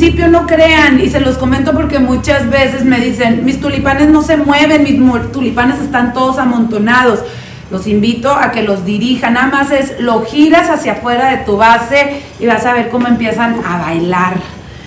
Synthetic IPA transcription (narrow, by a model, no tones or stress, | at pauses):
sipjo̞no̞kɾe̞anise̞lo̞sko̞ment̪op̬o̞ɾke̞mut͡ʃazβe̞se̞zme̞ðise̞nmist̪ulipane̞zno̞se̞mwe̞β̞e̞nmismt̪ulipane̞se̞st̪ant̪o̞ðo̞samõnt̪o̞nað̞o̞s | lo̞simbit̪o̞ʔake̞lo̞zðiɾixanːaðamase̞slo̞xiɾasasjafwe̞ɾaðe̞t̪uβase̞ | iβasaβ̞e̞ɾko̞mo̞e̞mpje̞sanaβajlaɾ